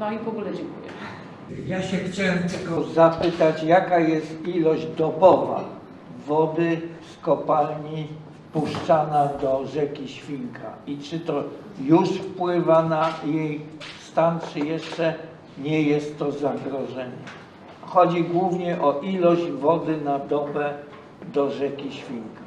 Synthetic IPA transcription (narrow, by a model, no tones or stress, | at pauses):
nɔivɔɡulɛd͡ʑɛŋkujɛ̰ | jaɕɛxt͡ɕawɛmt̪ɛlɡɔzapɘt̪at͡ɕjakajɛst̪ilɔʑd͡ʑd̪ɔbɔva̰ | vɔd̪ɘskɔpalɲi | fpuʂt͡ʂanad̪ɔʐɛkʲiɕfʲiŋkʰa̰it͡ʂɘt̪ɔ | juʂfpwɘvanajejst̪ant͡ʂɘjɛʂt͡ʂɛ | ɲɛjɛst̪ːɔzaɡɾɔʐɛɲɛ | xɔd͡ʑiɡwuvɲɛʔɔʔilɔʑd͡ʑvɔd̪ɘnad̪ɔbɛ | d̪ɔʐɛkʲiɕfʲiŋka